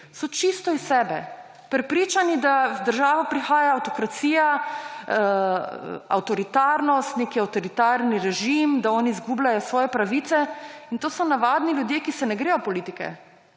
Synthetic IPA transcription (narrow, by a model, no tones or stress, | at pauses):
sɔt͡ʃist̪ɔisːɛːbɛ | pɾɛpɾiːt͡ʃanid̪azd̪əɾʒaːʋapɾixaːjaːwt̪ɔkɾat̪siːja | a̰wt̪ɔɾit̪aːɾnɔst̪neːkiawt̪ɔɾit̪aɾniɾɛʒimd̪aɔːniːzɡublajɔsʋɔːjɛpɾaʋiːt̪sɛint̪oːsɔnaʋaːd̪nilʲjud̪jeːkisɛnɛɡɾeːjɔpɔliːt̪ikɛ̰